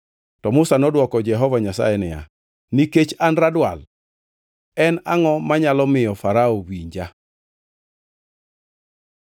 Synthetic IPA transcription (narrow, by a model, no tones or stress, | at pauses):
tɔmʊsanɔdwɔkɔd͡ʒɛɦɔvaɲasa̰jɛnɪja̰ | niket͡ʃanradwa̰l | ɛnaŋɔmaɲalɔmɪjɔfaɾaowiɲd͡ʒa